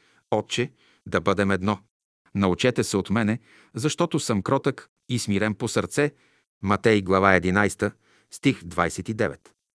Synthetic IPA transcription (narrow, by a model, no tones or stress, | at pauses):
ɔt̪t͡ʃɛ | d̪ɐbɤd̪ɛmɛd̪nɔ | nɐʊt͡ʃɛt̪ɛsɛot̪mɛnɛ | zɐʃt̪ɔt̪ʊsɤmkɾɔt̪ək | ismiɾɛmposəɾt̪sɛ | mɐt̪ɛjɡlˠɐvaɛd̪inajst̪ə | st̪ixd̪vajsɛt̪id̪ɛvɛ̰t̪